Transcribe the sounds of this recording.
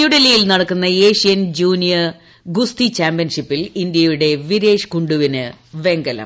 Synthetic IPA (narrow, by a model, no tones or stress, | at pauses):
juɽɐlijilnɐɽɐkːunːɐe̞ːʂijɐnd͡ʑuːnijɐ | ɡust̪it͡ɕaːmbijɐnʂipːilind̪jɐjuɽe̞ʋiɾe̞ːʂkuɳɖuʋinɨʋe̞ŋɡɐlɐ̰m